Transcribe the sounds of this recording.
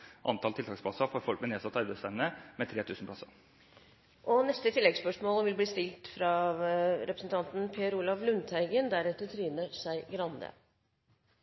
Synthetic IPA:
ʔɑ̰nt̪ʰɑlt̪ʰɪlt̪ʰɑːkspʰlɑsɑfoɾfɔlk̚mɛneːsɑt̪ːɑɾbɛɪsfɛnnəmɛt̪ʰɾeːt̪ʰʉːsnpʰlɑsɑ | ʔɔnɛst̪ət̪ʰɪlːɛɡspœʂmoːlʋɪlbliːst̪ɪlt̪fɾɑ | ɾɛpɾəsn̩t̪ɑnt̪n̩pʰeːəɾuːlɑʋlʉnt̪ʰæɪɡənd̪æɾɛt̪ət̪ʰɾiːnəʂæɪɡɾɑnd̪ə̰

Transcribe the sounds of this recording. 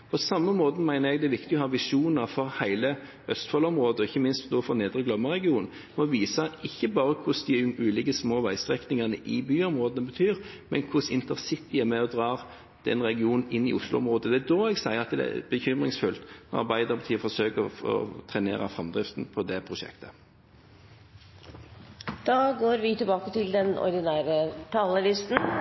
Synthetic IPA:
pʰɔsɑmːəmoːt̪n̩mæɪnəɾɛɡd̪ɛæʋɪkt̪ɪɔhɑːʋɪʂuːnɑɾfɔɾhæɪlə | œst̪fɔlɔmɾoːd̪əɔɪçːəmɪnst̪nuːfɔneːd̪ɾʁəɡlœmːəʁɛɡɪuːnn̩ | mɛɔʋiːsəɪçːəbɑːɾəkʰʊsd̪ɪʉːlɪɡəsmoːʋæɪst̪ɾɛknɪŋɑnəʔɪbyːɔmɾoːd̪ənəbət̪ʰyːɾmɛnkʰʊsɪnt̪əʁsɪt̪ɪæmɛɔd̪ɾɑː | d̪̥ɛ̰nʁɛɡɪuːnn̩ɪnːɪ̰ʊslʊɔmʁoːd̪əd̪ɛæd̪oːɛɡsæɪəʁɑt̪d̪ɛ̰bəçʏmʁɪŋsfʉlt̪nɔ̰ʁɑ̰ʁbæɪd̪əʁpʰɑt̪ʰiːəfɔsøːkəɔ̰t̪ʰʁɛnḛːʁɑfʁɑmd̪ʁɪft̪n̩pʰɔd̪ɛpʰʁʊʃɛ̰kt̪ʰə̥ | d̪̥ɑːɡoːɾʋɪt̪ɪlbɑːkət̪ɪld̪ɛnɔ̰ɾd̪ɪnæːɾət̪ʰɑːləlɪst̪n̩

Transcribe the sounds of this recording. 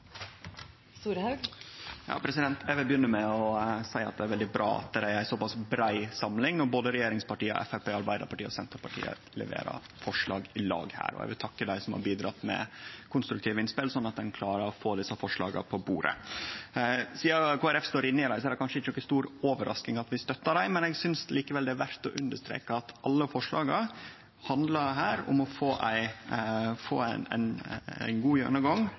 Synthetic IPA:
st̪uːɾhɑɡjɑ̰ːpʰɾɛsɪd̪ɛnt̪ʰæɪʋɪlbəjʏnːəmɛɔsæɪɑ̰t̪̚d̪ɛæɾʋɛld̪ɪbɾɑ̰ːɑ̰t̪̚d̪æɾæɪæɪsɔpɑsbɾæɪsɑmlɪŋɔboːd̪əɾɛjeːɾɪŋspɑʈiːə̰ʔɛ̰fæpeːɑɾbæɪd̪əɾpɑʈiːəɔsɛnt̪əɾpɑʈʰḭːə̰ | lɛ̰ʋḛːɾɑ̰ | fɔʂɭɑːɡɪlɑ̰ːɡhæ̰ːɾɔ̰æ̰ʋɪlt̪ʰɑkːəd̪æɪsɔmhɑ̰ɾbiːd̪ɾɑt̪ːmɛ̰kʰʊnst̪ɾʉkt̪ʰiːʋəɪnspɪlsɔnːɑt̪̚d̪ɛnkʰlɑːɾəɾɔfoːd̪ɪsːɑfɔʂlɑ̰ːɡə̰pʰɔbuːɾə̰ | siːɑkʰuːæɾɛfst̪oːɾɪnːəɪd̪æɪsɔæɾd̪ɛkɑnʂəɪt͡ʃːəɔkːəst̪uːɾoːʋəɾʔɑ̰sknɪŋɑt̪ʋɪst̪œt̪ːɑɖæɪmɛnɛɡsʏnsliːkəʋɛld̪ɛæɾʋæɾt̪ɔʔʉnd̪əʂt̪ɾḛːkɑɑt̪ɑlːəfɔʂɭɑːɡə | hɑnd̪lɑɾɦæːɾʊ̰mɔfoːʔæɪ | fo̰ːn̰n̰nɡuːjø̰ːnəɡɑŋ

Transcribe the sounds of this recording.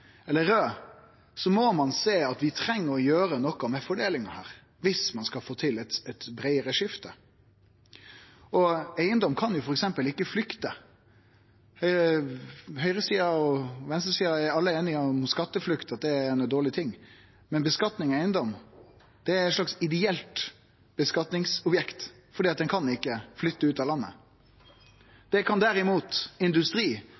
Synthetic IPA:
ɛlːəɾøː | sɔmɔmɑnseːɑt̪ʋɪt̪ʰɾɛŋːəɾɔjøːɾənɔkːɑmɛfɔɖeːlɪŋɑhæːɾ | ʋɪsmɑnskɑfoːt̪ʰɪlɛt̪ɛt̪bɾæɪəɾəʂɪft̪ə | ɔæɪənd̪ɔmkʰɑnjʊfɔɾɛksɛmpəlɪkːəflʏkt̪ə | hœʏə | ɦœʏɾəsiːɑɔʋɛnst̪əɾsiːɑæɾɑlːəeːnɪɔmskɑt̪ːəflʉkt̪ɑt̪̚d̪ɛɛnəd̪oːɭɪt̪ʰɪŋː | mɛnbəskɑt̪nɪŋæɪənd̪ɔm | d̪̥ɛæɾɛt̪ʂlɑksɪd̪ɛɛlt̪ | b̥əskɑt̪nɪŋsɔbjɛkt̪ | fɔɾɖ̪iːɑt̪̚d̪ɛnkʰɑnɪkːəflʏt̪ːəʉːt̪ɑːlɑnːə̰ | d̪̥ɛkʰɑnd̪æɾɪmuːt̪ɪnd̪ʉst̪ɾiː

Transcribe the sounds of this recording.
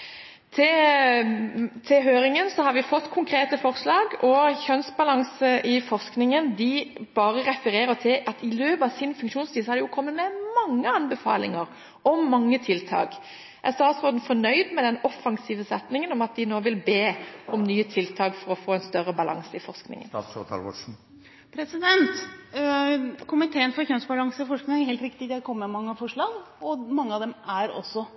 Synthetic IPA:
t̪ʰɪ | t̪ʰɪlɦøːɾɪŋənsɔhɑɾʋɪfɔt̪ːkʰʊŋkʰɾeːt̪əfɔʁslɑːɡɔçœnsbɑlɑŋsəɪfɔʁsknɪŋənd̪ɪb̥ɑːʁəʁɛfəɾeːʁət̪ʰɪʔɑt̪ɪløːpəɑʋsɪnfʉŋkʃuːnst̪iːsɔhɑd̪ɛjʊkʰɔmːət̪mɛmɑŋːəɑnbəfɑ̰ːlɪ̰ŋəɾ | ɔmːɑŋːət̪ʰɪlt̪ʰɑ̰ːk | ɛst̪ɑːt̪sʁɔːd̪n̩fɔɳœʏd̪mɛd̪ɛnɔfːɑŋsiːʋəsɛt̪nɪŋənɔmɑt̪̚d̪ɪnoːʋɪlbeːɔmnyːət̪ʰɪlt̪ʰɑːkfɔɾɔfoːɛnst̪œɾəbɑlʔɑ̰ŋsəɪfɔʁʂknɪ̰ŋənst̪ʰɑ̰lɔ̰ʂ̩ | pʰɾɛsɪd̪ɛnt̪ | kʰʊmɪt̪ʰeːənfɔɾçœnsbɑlɑŋsəɪfɔʂknɪŋənæɾheːlt̪ɾɪkt̪ɪd̪ɛæɾkʰɔmːəmɑŋːəɑfɔʂɭɑːɡ | ɔmɑŋːəɑʋd̪ɛmæɾɔ̰sːɔ

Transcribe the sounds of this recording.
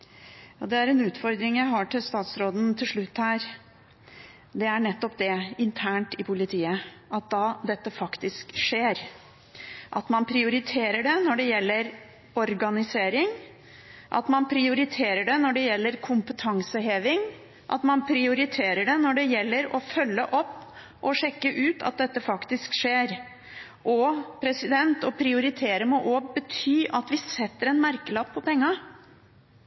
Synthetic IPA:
jjɑːd̪ɛæɾɛnʉːt̪fɔɾd̪ɾɪŋjæɪɦɑʈɪlst̪ɑːt̪sɾoːd̪nt̪ʰɪlʂɭʉt̪ːhæːɾ | d̪ɛæɳɛt̪ːɔp̚d̪ɛɪnt̪ʰæːɳʈɪpʰʊlɪt̪ʰiːəʔɑt̪̚d̪ɑd̪ɛt̪ːəfɑkt̪ɪskʂeːɾ | ʔɑt̪mɑnpʰɾɪʊɾɪt̪ʰeːɾəɖɛnɔɖɛjɛlːəɾ | ɔɾɡɑnɪseːɾɪŋ | ʔɑ̰t̪mɑnpʰɾɪʊɾɪt̪ʰeːɾəɖɛnɔɖɛjɛlːəɾkʰʊmpət̪ʰɑŋsəɦeːʋɪŋ | ʔɑ̰t̪mɑnpʰɾɪʊɾɪt̪ʰeːɾəɖɛnɔɖɛjɛlːəɾɔfœlːəʔɔpː | ʔɔʂɛkːəʔʉːt̪ʰɑ̰t̪̚d̪ɛt̪ːəfɑkt̪ɪskʂeːɾ | ʔɔpʰɾɛsɪd̪ɛnt̪ɔpʰɾɪʊɾɪt̪ʰeːɾəmɔʔobət̪ʰyːʔɑt̪ʋɪsɛt̪ːəɾɛnmæɾkəlɑpʰːɔpɛŋːɑ

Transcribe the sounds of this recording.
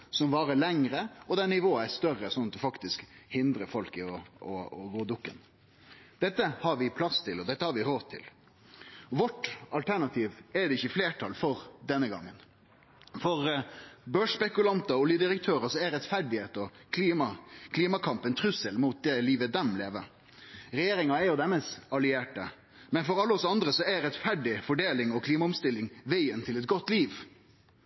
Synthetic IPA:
sɔmʋɑːɾəlɛŋɾəɔd̪ɛnɪʋoːɑæst̪œɾəsɔnɑt̪ɔfɑkt̪ɪskhɪnd̪ɾəfɔlkɪɔɔɔɡoːd̪ʊkːə̰n | d̪̥ɛt̪ːəhɑɾʋɪpʰlɑst̪ʰɪlɔd̪ɛt̪ːəhɑɾʋɪɾoːd̪̚t̪ʰɪ̰l | ʋɔʈɑlt̪ʰæɾɳɑt̪ʰiːʋɛd̪ɛɪçːəfleːʈʰɑlfɔɾd̪ɛnːəɡɑ̰ŋːən | fɔɾbøːʂspɛkʉlɑnt̪ɑuːlɪəd̪ɪɾək̚t̪ʰøːɾəsɔɛɾɛt̪fæɖɪheːt̪ɔk̪ʰimɑkʰliːmɑkʰɑmpənt̪ʰɾʉsəlmuːt̪̚d̪ɛliːʋəd̪ɛmleːʋəɾ | ɾɛjeːɾɪŋɑɛɾjʊd̪ɛmɛsɑlɪeːʈə̰ | mɛnfɔɾɑlːəɔsɑnd̪ɾəsɔɛɾɛt̪fæɖɪfɔɖeːlɪŋɔkʰliːmɑʊmst̪ɪlːɪŋʋæɪənt̪ʰɪlɛt̪̚ɡɔt̪ːliːʋ

